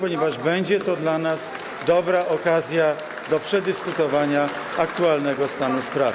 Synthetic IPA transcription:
pɔɲɛvaʐbɛɲd͡ʑɛt̪ɔd̪lanas | d̪ɔbɾaʔɔkazʲja | d̪ɔpʂɛd̪ɘskut̪ɔvaɲa | akt̪ualnɛɡɔst̪anuspɾav

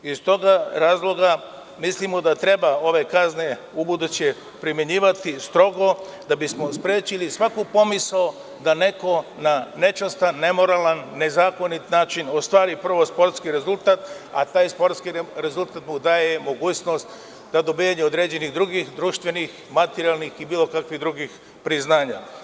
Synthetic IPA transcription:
ist̪o̞ɡaɾaːzlˠo̞ɡa | mislimod̪at̪ɾe̞bao̞ʋe̞kazne̞ | ubud̪ut͡ɕe | pɾimʲjeɲiːʋat̪ist̪ɾo̞ɡo̞d̪abismo̞spɾeːt͡ɕilisʋakupo̞misao | d̪ane̞ko̞nane̞t͡ʃast̪anːe̞mo̞ɾaːlanːe̞zaːko̞nit̪naːt͡ʃino̞st̪ʋaːɾipər̩ʋo̞spo̞ɾt̪skiɾe̞zulˠt̪at̪a̰t̪aːjspoɾt̪skiɾe̞zulˠt̪at̪mud̪aːjemo̞ɡuːno̞st̪ | d̪ad̪o̞bijaɲeod̪ɾeːd͡ʑe̞niɣd̪ɾuɡixd̪ɾuːʃt̪ʋe̞nix | mat̪eɾialˠnixibiːlˠo̞kakʋiɣd̪ɾuɡix | pɾiznaːɲa

